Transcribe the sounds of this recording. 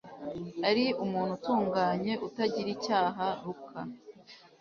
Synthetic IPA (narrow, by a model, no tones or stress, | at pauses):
aɾiumuːn̥hutuːŋɡaːɲe̞ʔutaɟiɾicaːɦaɾukʰa